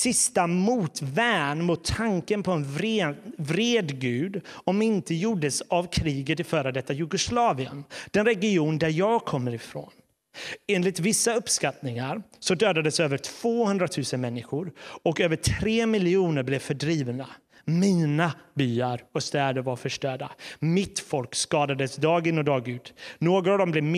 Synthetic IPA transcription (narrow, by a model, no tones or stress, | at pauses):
sɪst̪amuːt̪væːɳmʊt̪ʰːaŋkənpʰɔɛnvɾevɾeːd̪ɡʉ̟ːd̪ɔmɪnt̪əjuːɖəsavkʰɾiːɡət̪ɪfœːɾəd̪ɛt̪ːajɵɡʊslɑːvɪə̰nd̪̥ɛnɾɛɡɪuːnd̪æɾjɑːɡkʰɔmːəɾɪfɾo̰ːn | eːnlɪt̪vɪsːaɵpskat̪nɪŋaɾsɔd̪øːd̪ad̪əsøːvəʈʰv̥oːhɵnd̪ɾat̪ʰʉ̟ːsənmɛnːɪɧʊɾɔkøːvəʈʰɾeːmɪlɪuːnəɾblɛvfœɖɾiːvna | miːnabyːaɾɔst̪ɛːd̪əɾvaɾfœʂʈœːɖamɪt̪fɔlkskɑːd̪ad̪əsd̪ɑːɡɪnːɔd̪ɑːɡʉ̟ːt̪noːɡʊt̪avd̪ɔmblɛv